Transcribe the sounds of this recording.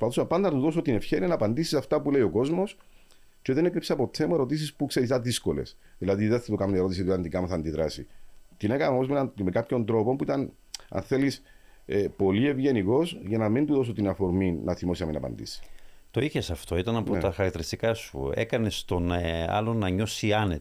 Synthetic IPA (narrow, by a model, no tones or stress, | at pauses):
ospɐθu̥sɐpɐnd̪ɐnɐt̪uðo̞sot̪ine̞fçe̞ɾiɐnɐːpɐnd̪isi̥sɐft̪ɐpuleio̞ko̞zmo̞s | ce̞ðe̞nekɾipseɐpo̞t̪semoeɾo̞t̪̬is̬ispukseɾis̬ɐðisko̞le̞̰sðilɐðiðeθet̪ukɐmnie̞ɾot̪isit̪iɐnd̪ikɐmuθɐnd̪iðɾɐsḭt̪ine̞kɐɐomozmeɐmekapço̞nd̪ɾo̞po̞mpuit̪ɐn | ɐ̰nθe̞lis | epo̞lie̞vʝe̞niko̞sʝɐnɐmind̪uðo̞sot̪inɐfo̞ɾmiːɐθimo̞siɐminɐpɐ̰nd̪ḭsi̥t̪o̞içesɐft̪o̞it̪ɐnɐpot̪ɐxɐɾɐkt̪eɾist̪ikɐsṵekɐne̞st̪o̞na̰lonɐɲo̞siɐnet̪